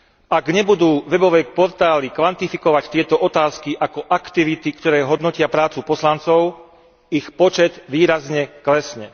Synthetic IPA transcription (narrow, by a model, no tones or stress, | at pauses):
ʔaɡɲɛbud̪uːʋɛbɔʋɛːpɔɾt̪aːlikʋant̪ifikɔʋact̪ɪɛt̪ɔʔɔt̪aːskiʔakɔʔakt̪iʋit̪ikt̪ɔɾɛːɦɔd̪nɔcɪapɾaːt͡supɔslant͡sɔʊ | ixpɔt͡ʃɛd̪ʋiːɾazɲɛklɛsɲɛ